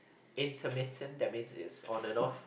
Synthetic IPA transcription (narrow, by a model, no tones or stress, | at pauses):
ɪ̃ntʰəmɪtʰə̃ndɛmɪd͡ʒɪ̰sɔ̃ndənɔθ